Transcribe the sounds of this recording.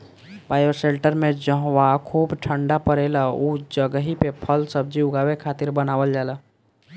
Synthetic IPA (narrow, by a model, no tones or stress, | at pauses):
baːjoseɳʈəɾmẽd͡ʒəɦwakʰuːbʈʰəɳɖapəɾeləud͡ʒəɡəɦipepʰəlsəb̚d͡ʒiʊɡawekʰaːt̪iɾbənaːwəld͡ʒalə